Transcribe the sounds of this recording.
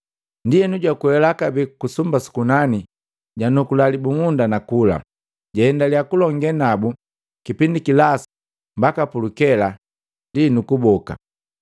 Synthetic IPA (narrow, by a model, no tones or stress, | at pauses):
ndijɛnuɟwakuɛlakabɛkusumbasu̥kunani | ɟanukulalibuŋundanakula̰ | ɟahɛndalijakulɔŋɡɛnabu | kipindikilas | mbakapulukɛla | ndinukubɔka̰